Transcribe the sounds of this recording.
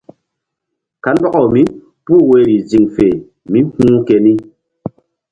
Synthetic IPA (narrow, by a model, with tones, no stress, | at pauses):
ka˨˦nbɔ˦kɔ˨mi˦ | pu˦˨we˦ɾi˨d͡zi˨ŋfe˨ | mi˦hũ˦kɛ˨ni˦